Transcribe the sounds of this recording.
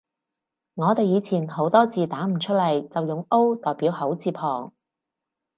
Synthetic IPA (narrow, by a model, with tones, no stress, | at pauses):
ŋɔː˨˧t̪e˨˧jiː˨˧t͡sʰiː˨˩nho˨˥wt̪ɔː˥t͡siː˨˩t̪aː˨˥m̩˨˩t͡ʃʰɵ˥t̚lɐ˨˩jt͡sɐ˨wjʊ˨ŋo˥wt̪ɔː˨˩jpiː˨˥whɐ˨˥wt͡siː˧pʰɔː˨˩ŋ